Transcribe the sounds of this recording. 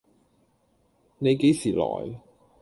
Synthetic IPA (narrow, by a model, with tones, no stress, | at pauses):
ne˨˧jke˨˥jsiː˨˩lɔ̰ː˨˩j